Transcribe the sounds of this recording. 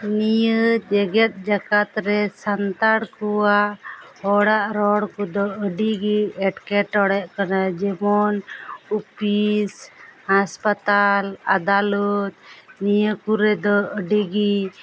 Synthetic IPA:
nijəd͡ʒɛɡɛt̪̚d͡ʒakat̪ɾɛsant̪aɽkuwaʔhɔɽaʔɾɔɽkɔd̪ɔəɖiɡiɛʈkɛʈɔɽɛʔkanad͡ʒɛmɔnupishaspat̪ala̰d̪alut̪̚nijəkuɾɛd̪ɔəɖiɡi

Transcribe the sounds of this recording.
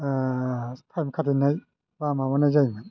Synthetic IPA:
apʰamkʰat̪ʰinaj | waːmawanajzajmɯn

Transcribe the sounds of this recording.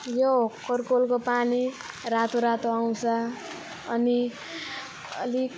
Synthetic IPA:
jokʌrkolkopani | rat̪oɾat̪oaw̃t͡sʰʌː | ni | ʌ̰li

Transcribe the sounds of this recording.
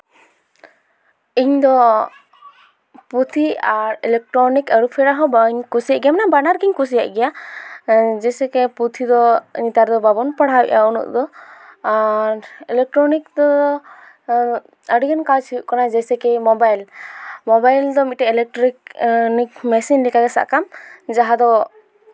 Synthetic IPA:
iɲd̪ɔ | put̪ʰiaɾilɛk̚ʈɾɔnikaɾupʰɛɾaɦɔbaiɲkusiaʔɡijamanabanaɾɡiɲkus̬ijaʔɡɛja | d͡ʒɛsɛkɛput̪ʰid̪ɔḭɲt̪aɾd̪ɔbabɔnpaɽ̤awɛ̰ʔaunṵʔd̪ɔaɾɛlɛk̚ʈɾɔnik̚d̪ɔ | əɽiɡankalt͡ʃʰiuʔkɔnad͡ʒɛjsɛkɛmɔbajlmɔbajld̪ɔmitʈɛɛlɛk̚ʈɔɾiknik̚mɛsinlɛkaɡɛsa̰ʔkamd͡ʒaɦad̪ɔ

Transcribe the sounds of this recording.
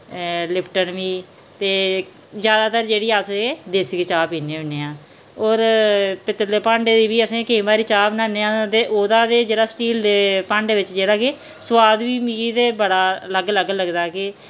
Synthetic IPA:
lɪpʰʈənʋiː | t̪eː | d͡ʒjaːd̪aːt̪əɾd͡ʒeːɽiːaːsed̪eːsket͡ʃaːpiːnẽːɪneːãː | oːɾpɪt̪ːəɾd̪eːpãːɳɖeːd̪iːʋiːəsẽːkeĩːbaːɾiːt͡ʃaːpnaːneːãːt̪eːʔoːd̪ãːd̪eːd͡ʒeːɽaːsʈiːld̪eːpãːɳɖeːʋɪt͡ʃd͡ʒeːɽaːke | swaːd̪ʋiːmiːt̪eːbəɽaːləɡləɡləɡd̪aːkɪ

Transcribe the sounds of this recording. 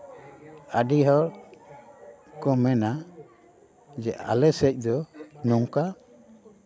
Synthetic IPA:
aɖiɦɔɾ | kɔmɛna | d͡ʒɛʔa̰lɛsɛc̚d̪ɔnɔŋka

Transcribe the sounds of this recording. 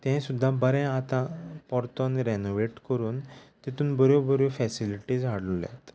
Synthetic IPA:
t̪ɛ̃sud̪ʱːãbəɾɛ̃at̪ãpɔɾt̪ɔnɾenoʋeʈkəɾuːnt̪it̪ũːnbɔɾobɔɾofɛsiliʈid͡zɦaɽlulɛ̰̃t̪

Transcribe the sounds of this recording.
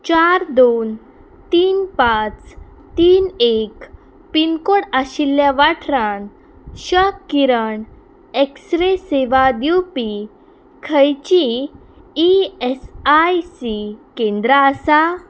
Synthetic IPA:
t͡ɕaɾd̪on | t̪iːnpãt͡s | t̪iːnek | pinkoɽaɕilːjaʋaʈʰɾãn | ɕəkːiɾəɳ | eksɾeseʋad̪jupi | kʰəjt͡ɕiː | ɛsajsikẽnd̪ɾaəsa

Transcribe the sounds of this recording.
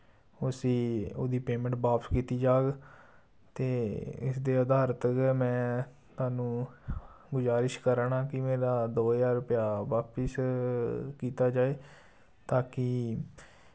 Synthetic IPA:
ʊsĩːo̰ːd̪iːpeːmə̃ɳʈʋaːpəskiːt̪iːd͡ʒaːɡ | t̪eːɪ̰sd̪eːəd̪aːɾət̪mɛ̃ː | t̪ʊaːnũː | ɡʊzaːɾɪʃkəɾɳaːkɪmeːɾaːd̪oːjaːɾʊpjaːʋaːpəs | kiːt̪aːd͡ʒaːeː | t̪aːkɪ

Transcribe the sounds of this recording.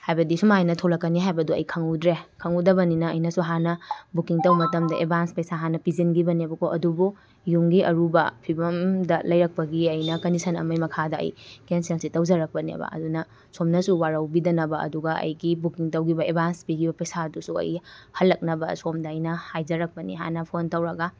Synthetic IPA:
hajbɐdisumajnɐtʰolɐkːɐniɦajbɐduɐ̰jkʰɐŋudɾekʰɐŋudɐbɐninɐːjnɐsuɦanɐbukiŋtɐwmɐtɐmdɐḛbʱanspɐjsaɦanɐpizinɡibɐniɐbɐkʰoʔɐdubu | juŋɡiʔɐɾubɐ̰pʰibɐmdɐlɐjɾɐk̚pɐɡiɐjnɐkɐnisʰɐnɐ̰mɐjmɐkʰadɐɐ̰jkenselsitɐwd͡ʒɐɾɐk̚pɐnḛbɐ̰ʔɐ̰dunɐ | somnɐsuwaɾɐwbidɐnɐbɐɐ̰duɡɐʔɐ̰jɡibukiŋtɐwɡibɐebʱanspiɡibɐpɐjsadusuɐ̰jhɐlːɐk̚nɐbɐsomdɐːjnɐhajd͡ʒɐɾɐk̚pɐnḭɦa̰nɐpʰontɐwɾɐɡɐ

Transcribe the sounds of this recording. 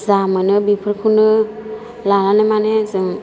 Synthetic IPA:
zamɯnɯbipʰɯɾkʰunɯ | lalanemanezɯŋ

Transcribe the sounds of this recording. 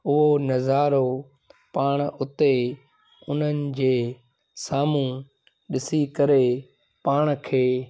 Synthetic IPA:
ʊɦonɐzaːɾo | paːɽ̃ʊt̪e | ʊn̤ənɪ̆d͡ʑeː | saːmũ | ɗɪsikəɾe | paːɽ̃kʰeː

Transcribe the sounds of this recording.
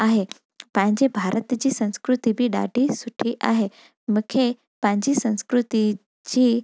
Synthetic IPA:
aɦe | pãɲd͡ʑebʱaɾət̪d͡ʑiːsə̃ñskɾut̪ibʱiːɖa̰ɖʱisuʈʰiʔa̰ɦe | mukʰe | pãɲd͡ʑiːsə̃ñskɾut̪i | d͡ʑiː

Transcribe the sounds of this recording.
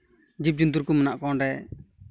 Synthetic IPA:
d͡ʒip̚d͡ʒund̪uɾkumənaʔkɔɳɖɛ

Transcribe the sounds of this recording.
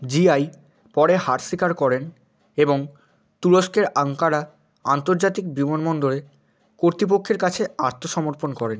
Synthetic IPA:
d͡ʑiaj | pɔɽehaɾʃikaɾkɔɾen | eboŋ | t̪uɾoʃkeɾaŋkaɾa | ant̪oɾd͡ʑat̪ik̚bimonmɔnd̪oɾe | koɾt̪ɾip̬okʰːeɾkat͡ɕʰeaɾt̪ʰoʃɔmoɾponkɔɾen

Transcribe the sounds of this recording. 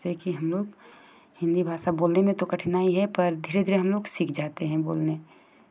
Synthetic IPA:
sekiɦɐmloːɡ | hɪ̃nd̪ibʱaːʃaboːlnemẽt̪okɐʈʰnaːiɦɛpɐɾd̪ʱiɾed̪ʱiɾeɦɐmloːɡsikʰd͡ʒaːt̪eɦɛ̃bo̰ːlne

